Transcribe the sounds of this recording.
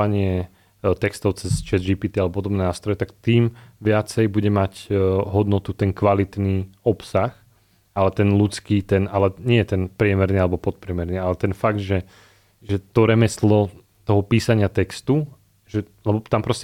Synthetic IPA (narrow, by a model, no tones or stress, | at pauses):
aɲɪɛ | t̪ɛkst̪ɔʊt͡sɛst͡ʃɛzʒipiːt̪ialɛbɔpɔd̪ɔbnɛːnaːst̪ɾɔjɛt̪akt̪iːmʋɪat͡sɛjbuɟɛmacɦɔd̪nɔt̪ut̪ɛnkʋalit̪niːɔpsax | alɛt̪ɛnlut͡skiːt̪ɛnalɛɲɪɛjɛt̪ɛnpɾɪɛmɛɾniːalɛbɔpɔt̪̚pɾɪɛmɛɾnialɛt̪ɛnfaɡd̪ʒɛ | ʒɛt̪ɔɾɛmɛslɔ | t̪ɔɦɔpiːsaɲɪat̪ɛkst̪u | ʒɛ | lɛbɔt̪ampɾɔscɛ